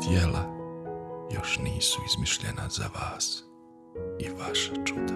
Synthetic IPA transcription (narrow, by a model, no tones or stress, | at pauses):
t̪jela | jo̞ʃniːsuizmiʃʎḛna̰z̥a̰ʋaːs | iʋaʃḁt͡ʃut̪a